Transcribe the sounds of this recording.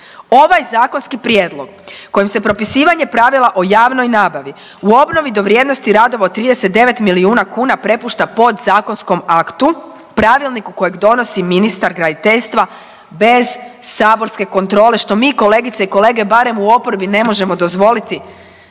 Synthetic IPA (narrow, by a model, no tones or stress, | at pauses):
o̞ʋajzaːko̞nskipɾjeːd̪lˠo̞ɡ̥ko̞jimse̞pɾo̞pisiːʋaɲe̞pɾaʋilˠaʔojaːʋno̞jnaːbaʋi | uo̞bno̞ʋid̪o̞ʋɾjeːd̪nost̪iɾad̪o̞ʋaot̪ːɾiːd̪e̞se̞t̪d̪e̞ʋe̞t̪miliuːnakuːnapɾe̞puːʃt̪apo̞d̪zaːko̞nsko̞makt̪u | pɾaʋilˠnikuko̞je̞ɡd̪o̞no̞siminist̪aɾɡɾad̪it̪eʎst̪ʋa | be̞zsaːbo̞ɾske̞ko̞nt̪ɾo̞ːle̞ʃt̪o̞miːko̞le̞ːɡit̪seiko̞le̞ːɡe̞baɾe̞muo̞poɾbine̞mo̞ʒe̞mo̞d̪o̞zʋo̞lit̪i